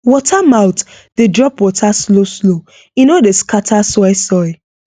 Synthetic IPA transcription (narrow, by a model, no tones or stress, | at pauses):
wɔtʰamaʊt | d̥edɹɔpwɔtʰasloslo | inodeskatʰasɔɪsɔɪ